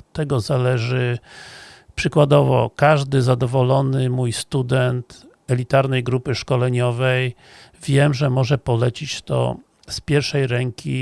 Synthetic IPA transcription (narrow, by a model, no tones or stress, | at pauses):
t̪ːɛɡɔzalɛʐɘ | pʂɘkwad̪ɔvɔ̰kaʐd̪ɘzad̪ɔvɔlɔnɘmujst̪ud̪ɛnt̪ | ɛlʲit̪aɾnɛjɡɾupɘʂkɔlɛɲɔvɛj | vʲjɛmʐɛmɔʐɛpɔlɛt͡ɕit͡ɕt̪ɔ̰ | spʲjɛɾʂɛjɾɛŋkʲi